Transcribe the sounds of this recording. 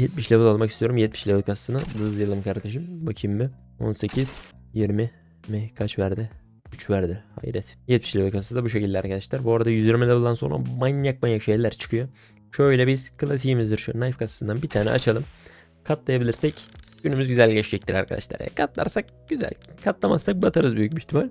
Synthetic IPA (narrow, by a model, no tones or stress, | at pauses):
jɛt̪̚miʃlʲevɯlˠolˠmakist̪ʰijo̞ɾumjɛt̪̚mi̥ʃlʲevɯlˠkʰasḁsɯnɯd̪ɯzjɯlˠɯmkʰaɾt̪ʰeʃɯmbacʰimːɯ | o̞̰nse̞cʰiz̥jiɾmi | mɛkʰat͡ʃvæɾd̪ɪ | yt͡ʃvæɾd̪ɪha̰jiɾɛt̪jɛt̪mi̥ʃlʲevɯlˠkʰasasd̪abuʃ̬ecʰilʲd̪ʲɛaɾkʰad̪aʃlˠæɾbuaɾad̪ajyziɾmɛlʲavɯlˠd̪anso̞̰ɾa̰manjak̚manjakʃejlʲæɾt͡ʃʰɯ̥kʰɯjo | ʃøjlʲɛbiz̥kʰɯlˠas̬iimizd̪iɾʃnajfkʰasḁsɯnd̪anbit̪ʰaːnɛ̰ʔa̰t͡ʃʰalˠɯm | kʰat̪lˠajabilʲiɾsɛcɟ̥ynymyzɟyzælʲɟɛt͡ʃd͡ʒɛc̚t̪iɾa̰ɾkʰad̪a̰ʃlˠa̰ɾɛ̰kʰat̪lˠa̰ɾsak̚ | ɟ̥yzæ̰lʲkʰat̪lˠamassːak̚bat̪ʰaɾɯzbyjyc̚biçt̪ʰimalʲ